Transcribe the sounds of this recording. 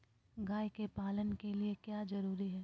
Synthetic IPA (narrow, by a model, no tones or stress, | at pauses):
ɡaːjkepaːlənkeliekjaːd͡ʒɐɾuːɾiɦɛː